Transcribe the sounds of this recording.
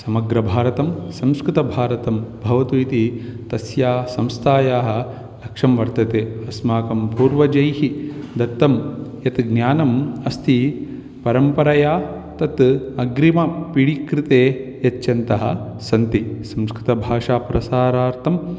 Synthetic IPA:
sɐmɐɡɾɐbʱaːɾɐt̪ɐmsɐ̃mskɾɪt̪ɐbʱaːɾɐt̪ɐmbʱɐʋɐt̪uit̪it̪ɐsjaːsɐ̃mst̪ʰaːjaːɦɐ̆ | lɐkʂɐmʋɐɾt̪ɐt̪eːɐsmaːkɐmpuːɾʋɐd͡ʒɐjɦid̪ɐt̪ːɐmjɐt̪ɡnjaːnɐmɐst̪ʰi | pɐɾɐmpɐɾɐjaː | t̪ɐt̪ɐɡɾimɐpiɽikɾit̪eːjɐt͡ʃjɐnt̪ɐɦɐ̰̆sɐnt̪isɐmskɾɪt̪ɐbʱaːʂaːpɾɐsaːɾaːɾt̪ʰɐm

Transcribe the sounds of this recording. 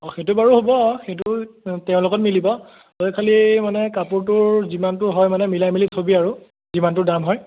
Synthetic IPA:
ɔxetubaɹuɦobɔxejt̬utɛʊ̃lʊkɔt̚milibɔ | tɔkʰalimanɛkapuɹt̬ʊɹzimantʊɦɔjmanɛmilajmilitʰobiaɹu | zimant̬ʊdamɦɔj

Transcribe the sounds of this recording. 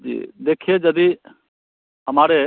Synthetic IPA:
d͡ʒḭːd̪eːkʰed͡ʒəd̪i | ɦəmaːɾe

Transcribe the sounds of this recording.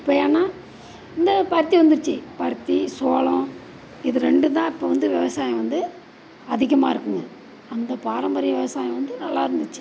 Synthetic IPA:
ɪpːɐjaːnːaː | ɪnd̪ɐpɐɾt̪ːiʋɐnd̪ɯɾɯt͡ʃːɯpɐɾt̪ːisoːlõ | ɪðɯɾɛɳɖɯt̪ãːɪpːoːʋɐnd̪ɯʋɛʋɐsaːjɐ̃ʋɐnd̪ɯ | ɐðɪɣɐma̰ːɪɾɯkːɯŋɡɐ | ɐnd̪ɐpaːɾɐmbɐɾɪjɐʋɪʋɐsaːjɐ̃ʋɐnd̪ɯnɐlːa̰ːɪɾɯnd̪ɯt͡ʃːɯ̥

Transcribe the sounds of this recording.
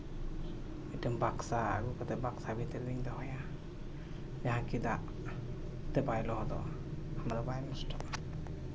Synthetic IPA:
iʈəmbaksaa̰ɡukɔt̪ɛbaksabʱit̪əɾd̪iɲd̪ɔɦɔja | d͡ʒaɦãkid̪aʔ | t̪ɛbajlɔɦɔd̪ɔ̰ | hamɾabajmɔsʈʰɔʔa

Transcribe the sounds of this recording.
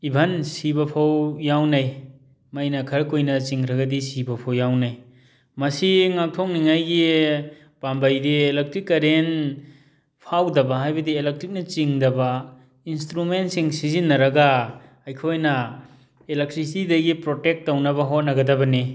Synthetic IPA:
ibʱɐnsibɐpʰawjawnaj | majnɐkʰɐɾkojnɐt͡ʃiŋɾɐɡɐdisibɐpʰawjawnaj | mɐsiŋak̚tʰɔk̚niŋajɡi | b̥ambajdielek̚tɾikːɐɾen | pʰawdɐbɐɦajbɐdielek̚tɾik̚nɐt͡ʃiŋdɐbɐ | instɾumentsiŋsizinːɐɾɐɡa | ɐjkʰojnɐ | elek̚tɾistidɐɡipɾotek̚tːownɐbɐɦot̚nɐɡɐdɐbɐni

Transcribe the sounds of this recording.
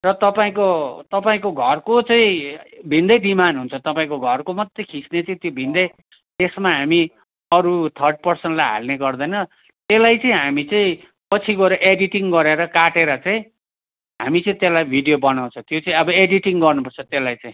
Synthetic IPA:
rʌt̪ʌpaĩkot̪ʌpaĩkoɡʱʌrkot͡sʌĩbʱĩnd̪ʌjɖimanɦunt͡sʰʌt̪ʌpaĩkoɡʱʌrkomʌt̪ːekʰit͡snet͡sʌĩt̪jobʱind̪ʌj | t̪esmaɦami | ʌɾut̪ʰʌrɖ̚pʌrsenʈlajɦa̰lneɡʌrd̪ʌjnʌ | t̪elajt͡sʌĩɦamit͡saĩ | pʌt͡sʰikoɾʌʔeɖiʈiŋɡʌɾeɾʌkaʈeɾʌt͡saĩ | ɦa̰mit͡sʌĩt̪elajbʱiɖijobʌnaw̃t͡sʰʌ̃t̪jot͡sʌĩʌbʌeɖiʈiŋɡʌrnupʌrt͡sʰʌt̪elajt͡sãĩ

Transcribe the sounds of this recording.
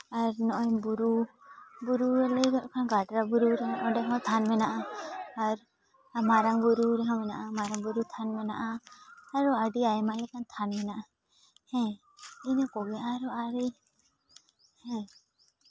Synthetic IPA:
aɾnɔʔɔjbuɾu | buɾuɛləjɡɔʔkʰanɡaʈɾabuɾuɾɛɦanʔɔɖɛkʰãwt̪ʰanmɛnaʔaː | ɾ | maɾaŋbuɾuɾɛɦãmɛnaʔamaɾaŋbuɾut̪ʰanmɛnaʔaː | ɾɔaɖiajmalɛkant̪ʰanmɛnaʔa | hɛ̃ | inɛkɔɡɛaɾɔaɾi | hɛ̃

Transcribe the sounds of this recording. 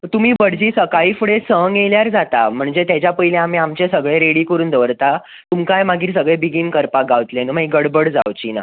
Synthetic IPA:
t̪um̤iːbəɽd͡ʑiːsəkaiːfuɽesəŋɡeljaɾd͡zat̪a̰m̤əɳd͡zet̪jat͡ɕjapəɦileam̤iːamt͡ɕesəɡɭeɾeɽikəɾuːnd̪əʋəɾt̪a | t̪umkajmaɡiːɾs̬əɡɭebiɡiːnkəɾpaɡaʋt̪lenəmaiɡəɽbəɽd͡zaʋt͡ɕiːna̰

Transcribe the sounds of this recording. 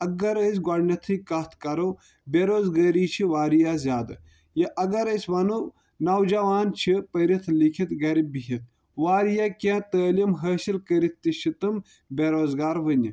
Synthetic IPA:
ɐɡɐɾəs̬ʲɡɐɾnɐt̪ʰɨkɐt̪ʰkɐɾo | beɾoːzɡɐːɾiːt͡ʃʰiʋaːɾijazʲjaːd̪ɨ | jɐʔɐɡɐɾəsʲʋɐnu | nɐwd͡ʒɐʋaːnt͡ʃʰipəɾit̪ʰlikʰit̪ɡɐɾibiɦit̪̚ʰ | ʋaːɾijaːkʲãːt̪əːlimɦɐːsilkəɾit̪t̪ːiʃit̪ɨm | bʲeɾoːzɡaːɾʋɨn

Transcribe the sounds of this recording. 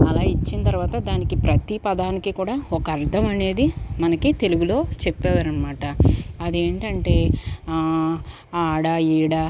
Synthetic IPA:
ɐlaːit͡ʃːinɐt̪ɐɾuʋaːt̪ɐd̪aːnikipɾɐt̪ipɐd̪aːnikikuːɽaːɔkɐɐɾt̪ʰɐmɐne̞ːd̪imɐnɐkit̪e̞luɡulo̞ːt͡ʃepːɛːʋaːɾɐnɐmaːʈɐɐd̪ieːɳʈɐɳʈe̞ː | aːɽɐiːɽa

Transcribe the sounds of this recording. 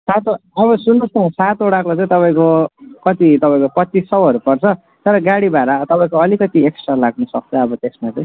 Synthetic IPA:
sat̪oʌβʌsunːʌst̪ʰʌ̃sat̪oɽakot͡sʌ̃ĩt̪ʌpaĩkokʌt̪it̪ʌpaĩkopʌt̪ːisʌwɦʌɾupʌrt͡sʰʌ | t̪ʌɾʌɡaɽibaɾat̪ʌpaĩkoʌlikʌt̪ieksʈralaɡnʌsʌk̚t͡sʰʌːbʌt̪esmat͡sʌĩ

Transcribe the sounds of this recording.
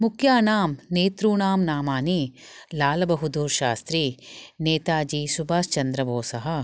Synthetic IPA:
mukʰjaːnaːmneːt̪ɾuːɳaːmnaːmaːnilaːlɐbɐɦud̪uːɾʃaːst̪ɾineːt̪aːd͡ʒisubaːst͡ʃɐnd̪ɾɐboːsɐɦɐ̆

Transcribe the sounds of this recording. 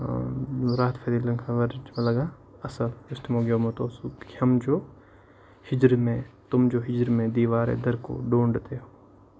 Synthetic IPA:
ɾaːt̪fʰed̪ilɐ̃ŋkʰaɡɐɾd͡ʒẽlɐɡaː | ɐsəlʊst̪moːɡjoːmɐt̪oːsukihɐmd͡ʒoː | hɪd͡ʒɾmẽt̪ʊmd͡ʒoːɦɪd͡ʒɾmẽd̪iːʋaːɾḛd̪ɐɾko̰ɖoːɳɖt̪eɦoː

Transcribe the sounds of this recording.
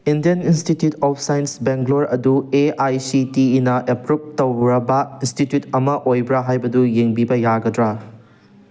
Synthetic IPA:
indijɐninstitjutʰɔpʰsajinsbeŋɡloɾɐdueajsitiːnɐʔepɾup̚tɐwɾɐbɐinstitjutɐmɐʔojbɾaɦajbɐdujeŋbibɐjaɡɐdɾa

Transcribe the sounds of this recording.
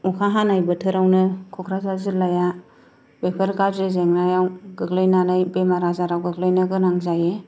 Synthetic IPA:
ɔkʰaɦanajbɯtʰɯɾawnɯkʰɔkʰɾazazilaja | bepʰəɾkadɾezeŋnajawɡɯɡlɯjnanajbemaɾazaɾawɡɯɡlajnɯɡɯnaŋzaje

